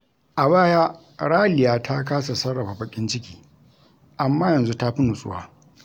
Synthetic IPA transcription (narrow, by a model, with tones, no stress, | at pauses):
ʔa˨baː˦jaː˦ | ɽaː˦lɪ˨jaː˦tʰa˦kaː˦sa˨sɐ˦ɽːɐ˨ɸa˨bɐ˨˦kʲʼɪ˦nt͡ʃɪ˦kʲiː˨ | ʔa˨mːaː˦jɐ˨nzu˦ta˦ɸi˦nu˨sʼʊ̰˦wa̰ː˦